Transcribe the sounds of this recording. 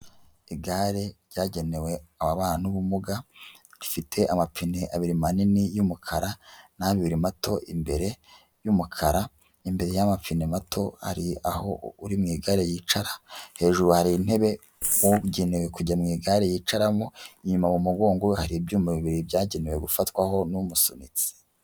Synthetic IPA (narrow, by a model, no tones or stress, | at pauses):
iɡaɾe̞ɾɟaːɟe̞ne̞we̞aβaβaːnuβumuɡa | ɾifitʰe̞ʔamap͡fineʔaβiɾimaninijumukʰaɾanaβiβiɾimato̞ʔimbe̞ɾe̞ | jumukʰaɾa | imbe̞ɾe̞jamap͡finematʰo̞ha̰ɾia̰ho̞uɾimŋiːɡaɾe̞jiːt͡ʃaɾahe̞ːʒuɾuhaɾiːnhe̞βe̞ | wuɟenewe̞kuɟamŋiːɡaɾe̞jiːt͡ʃaɾamoiɲumamumuɡo̞ːŋɡohaɾibjumuβiβiɾibjaːɟenewe̞ɡufatkwaho̞numusonit͡si̥